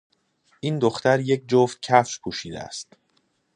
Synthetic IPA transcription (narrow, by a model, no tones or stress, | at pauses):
ʔind̪oxt̪æɾje̞c̚d͡ʒoft̪̚cʰæfʃpʰuːʃiːd̪ḛæ̰st̪